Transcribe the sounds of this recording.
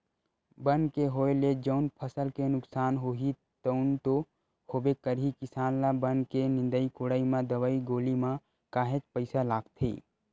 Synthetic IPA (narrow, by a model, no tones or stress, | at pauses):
bənkeɦoːeled͡ʒəʊnpʰəsəlkenʊksaːnɦoːɦi | t̪əʊnt̪o | hoːbekəɾɦikɪsaːnlabənkenɪ̃nd̪əikoɽaːimãd̪əʋaːiɡoːlimã | kaːɦet͡ʃpəɪsalaːɡt̪ʰḭː